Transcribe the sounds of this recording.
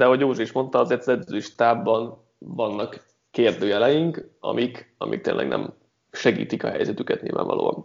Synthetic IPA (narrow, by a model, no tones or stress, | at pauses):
d̪ɛɦo̞ɟjoːʒuiʃmo̞nt̪ɒɒzeːrt̪ɒzɛd̪zøiʃt̪aːbːɒn | vɒnːɒkː | eːrd̪øːjɛlɛjiŋkɒ̰mʔikɒmʔḭk̚t̪ḛːnlɛ̰ɡnɛ̰m | ʃɛɡḭːt̪ikɒɦɛ̰jzɛt̪ykɛt̪ɲḭːlva̰ːɱvɒ̰lo̰ːɒn